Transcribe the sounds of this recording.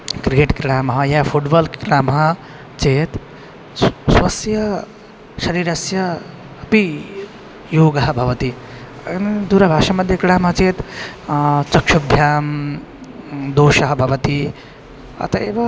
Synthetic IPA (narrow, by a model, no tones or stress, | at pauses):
kɾikeːʈɡɾɾaːmɐɦɐjɐːfʰuʈbɐːlɡɾaːmɐɦɐ | t͡ʃeːt̪ | swɐsjɐ | ʃɐɾiːɾɐsjɐ | ɐpi | joːɡɐɦɐ̆bʱɐʋɐt̪i | nd̪uːɾɐbʱaːʃɐmɐd̪ʱjɐkɾaːmɐɦɐt͡ʃeːt̪ | t͡ʃɐkʃubʱjaːm | d̪oːʃɐɦɐbʱɐʋɐt̪i | ɐ̰t̪ɐeːʋɐ